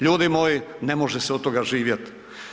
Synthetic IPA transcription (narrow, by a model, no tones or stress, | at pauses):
ʎuːd̪imoːjinemoʒɛseot̪ːoɡaʒiːʋjet̪